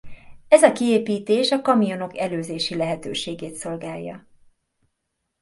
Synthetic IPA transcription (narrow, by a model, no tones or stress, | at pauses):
ɛzɒkieːpiːt̪eːʃɒkɒmijo̞no̞kɛløːzeːʃilɛɦɛt̪ø̰ːʃeːɡeːt̪so̞lɡaːjːɒ̰